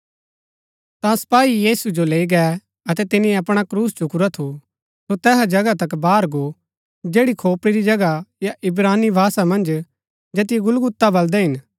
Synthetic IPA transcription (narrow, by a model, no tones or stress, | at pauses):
t̪ãsɐ̥paːijiːsud͡ʒoleːiɡɛ | ɐt̪ɛt̪ɪnĩɐpɽ̃akɾuːst͡ʃʊkʊɾat̪ʰu | sot̪ɛːɦad͡ʒɐɡat̪ɐkbaːɾɡo | d͡ʒeːɽikʰoːpɽiɾid͡ʒɐɡajaʔɪbɾaːnibʱaːsamɐ̃nd͡ʒ | d͡ʒeːt̪ɪjeɡʊlɡʊt̪ːabɐld̪ɛɦɪn